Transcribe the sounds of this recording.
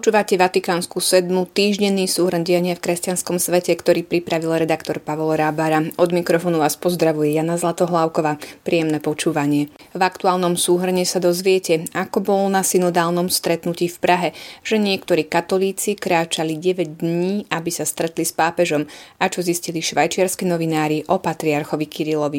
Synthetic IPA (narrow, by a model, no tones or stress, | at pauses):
pɔt͡ʃuːʋacɛʋat̪ikaːnskusɛd̪mut̪iːʒɟɛnːiːsuːɦr̩nɟijaɲɪafkɾɛscanskɔmsʋɛcɛkt̪ɔɾiːpɾipɾaʋilɾɛd̪akt̪ɔɾpaʋɔlɾabaɾaɔd̪mikɾɔfɔːnuʋaːspɔzd̪ɾaʋujɛjanazlat̪ɔɦlaʊkɔʋaːpɾiːjɛmnɛpɔt͡ʃuːʋaɲɪɛ | vakt̪uaːlnɔmsuːɦr̩ɲɛsad̪ɔzʋɪɛcɛakɔbɔlnasinɔd̪aːlnɔmst̪ɾɛt̪nuciːfpɾʔaɦɛʒ̥ɛɲɪɛkt̪ɔɾiːkat̪ɔliːt͡sikɾaːt͡ʃaliɟɛʋɛɟd̪ɲiːabisast̪ɾɛt̪lispaːpɛʒɔmat͡ʃɔzisciliʃʋajt͡ʃɪaɾskinɔʋinaːɾiʔɔpat̪ɾiaɾxɔʋikiɾilɔʋi